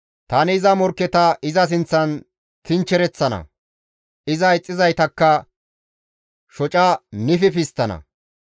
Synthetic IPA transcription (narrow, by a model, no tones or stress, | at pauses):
t̪ɐnɪːzɐmɔɾkːɛt̪ɐʔɪzɐs̬ɪnt͡sːɐn | t̪ɪnt͡ʃːɛɾɛt͡sːɐnɐ̰ | ɪzɐɪt͡sʼːɪzɐjt̪ɐkːɐ | ʃɔt͡ʃʼɐnɪfɪfɪst̪ːɐnɐ̰